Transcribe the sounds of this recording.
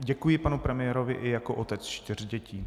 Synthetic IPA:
ɟɛkujɪpanupɾɛmɪjɛɾovɪʔɪjakoʔot̪ɛt͡st͡ʃt̪ɪr̝̥ɟɛciː

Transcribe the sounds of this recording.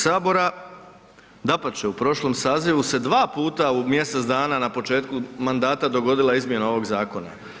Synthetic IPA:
saːbo̞ɾa | d̪apat͡ɕe̞upɾo̞ʃlo̞msaːziʋuse̞d̪ʋaːpuːt̪aumje̞set̪zd̪aːnanapo̞t͡ʃe̞ːt̪̚kumand̪aːt̪ad̪o̞ɡo̞d̪ilˠaizmje̞nao̞ʋo̞ɡzaːko̞na̰

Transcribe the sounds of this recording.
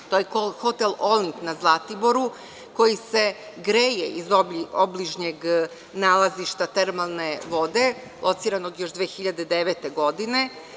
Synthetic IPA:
t̪ojeoxo̞t̪elˠolniŋknazlˠat̪ibo̞ɾu | ko̞jise̞ | ɡɾeːjeʔizoobliʒɲeɡ | naːlˠaziʃt̪at̪eɾmalˠne̞ʋo̞d̪e̞ | lˠʔo̞t̪siɾano̞ɡjo̞ʒd̪ʋeːxiʎad̪ed̪eʋet̪e̞ɡo̞d̪ine̞

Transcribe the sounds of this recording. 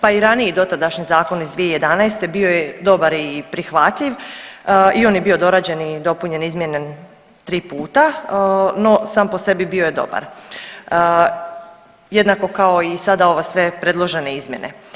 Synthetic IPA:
paiɾaniid̪o̞t̪ad̪aʃɲizaːko̞nizd̪ʋijeije̞d̪anajst̪e̞bio̞jed̪o̞baɾipɾixʋat̪ʎiʋ | io̞ːnjebio̞d̪o̞ɾad͡ʑe̞nid̪o̞puɲe̞nizmjene | t̪ɾiːpuːt̪a | no̞saːmpo̞se̞bibioje̞d̪o̞̰ba̰ɾ | jed̪nako̞kao̞isad̪ao̞ʋasʋe̞pɾe̞d̪lˠoʒe̞neizmje̞̰nʔḛ

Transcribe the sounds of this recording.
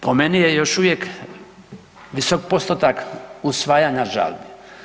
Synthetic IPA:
pomenijejoʃuʋjek | ʋisokpost̪ot̪akusʋaːjaɲaʒa̰lbi

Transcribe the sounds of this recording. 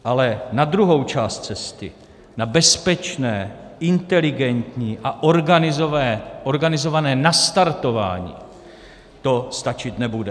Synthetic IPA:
ʔalɛnad̪ɾuɦo̞wt͡ʃaːst̪̚t͡sɛst̪ɪ | nabɛspɛt͡ʃnɛːɪnt̪ɛlɪɡɛnt̪ɲiːʔaʔoɾɡanɪzovɛːʔoɾɡanɪzo̞vanɛːnast̪aɾt̪o̞va̰ːɲḭː | t̪o̞st̪at͡ʃɪt̪nɛbudɛ

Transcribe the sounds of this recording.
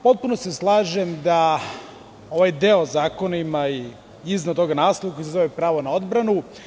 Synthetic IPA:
po̞t̪̚punoseslˠaːʒemd̪a | o̞ʋajd̪eozaːko̞naimai | iznad̪t̪o̞ɡanaːslˠoʋakojisezoʋepɾaːʋonao̞d̪bɾanu

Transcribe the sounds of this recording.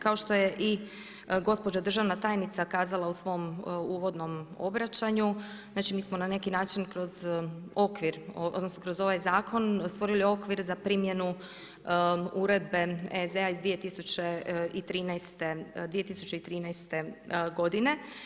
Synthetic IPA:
kao̞ʃt̪o̞jeʔi | ɡo̞spo̞d͡ʑad̪r̩ʒaʋnat̪aːjnit̪sakaːzalˠausʋo̞muːʋo̞d̪no̞mobɾat͡ʃaɲu | znaːt͡ʃimiːsmonane̞kinaːt͡ʃinkɾo̞zo̞kʋiɾod̪nosnokɾo̞zo̞ʋajzaːkʰo̞nst̪ʋo̞ɾilio̞kʋiɾzapɾimje̞nu | uɾe̞d̪̚be̞ezd̪eaizd̪ʋije̞t̪isut͡ɕeit̪ɾiːnɛjst̪ed̪ije̞t̪isut͡ɕe̞it̪ɾiːnɛjst̪e̞ɡo̞d̪ine̞

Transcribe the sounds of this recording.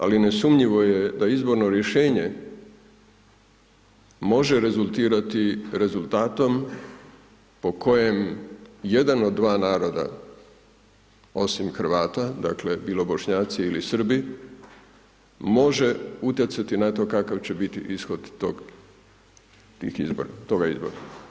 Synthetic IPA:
a̰line̞sumɲiʋo̞je̞d̪aizbo̞ɾno̞ɾje̞ʃe̞ːɲe̞ | mo̞ʒeɾe̞zulˠt̪iːɾat̪iɾe̞zulˠt̪aːt̪o̞m | po̞kʰo̞je̞mje̞d̪ano̞d̪ːʋaːnaːɾo̞d̪a̰ | o̞simxɾ̩ʋaːt̪ad̪akle̞biːlo̞bo̞ʃɲaːt̪siilisr̩bi | mo̞ʒe̞ut̪jet̪sat̪inat̪o̞kakaʋt͡ɕe̞bit̪ḭʔisxo̞d̪t̪oɡ | t̪ḭːxḭzbo̰ɾat̪o̞ɡaizbo̰ɾa

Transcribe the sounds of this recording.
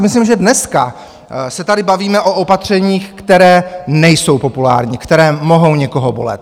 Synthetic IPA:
mɪslimʒɛdnɛska | sɛt̪adɪbaviːmɛʔo̞ʔopat̪r̝̥ɛɲiːxkt̪ɛɾɛːnɛjso̞wpo̞pula̰ːɾɲikt̪ɛɾɛːmo̞ɦo̞wɲɛko̞ɦobolɛ̰t̪

